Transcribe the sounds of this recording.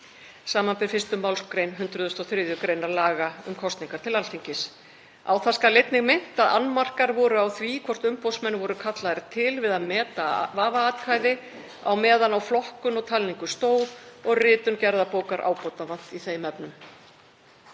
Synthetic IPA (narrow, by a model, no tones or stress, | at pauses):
saːmanpɪɾfɪst̪ʏmawlskɾejnɦʏnt̪ɾʏðʏst̪ɔθɾɪðjʏkɾeːjnaɾlaːɣaʏmkʰɔst̪niŋkaɾ̥t̪ʰɪlalt̪ʰiŋcɪs | a̰wθaskalɪjt̪nɪɣmɪn̥t̪aða̰nːmar̥kaɾvɔːɾʏawθvikʰvɔr̥t̪ʏmpɔwsmɛnːvɔɾʏkʰat̪laðɾt̪ʰɪlvɪðaðmɛːt̪avaːvaaːt̪kʰaːjðɪ | a̰wmɛːðanawflɔhkʏnɔɣt̪ʰalniŋkʏst̪oːwðɔɣrɪːt̪ʏncɛɾðapoːwkaɾʔa̰ːwpɔt̪avan̥t̪iθejmɛpnʏm